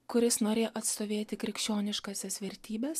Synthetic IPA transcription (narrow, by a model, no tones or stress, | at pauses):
kʊɾʲɪsnoːɾʲeːjoʔɐt̪st̪oːʋʲeːt̪ʲɪkɾʲɪkʃʲt͡ʃʲoːnʲɪʃkɑsʲɛsʋʲɛɾʲt̪ʲiːbʲɛs